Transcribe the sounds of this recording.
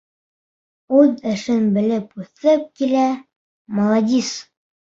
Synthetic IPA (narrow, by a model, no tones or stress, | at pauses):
ʉðɘ̆ʃɘnbɘ̆lɘpʉθɘp̚kilæ | molˠɑd̪ʲis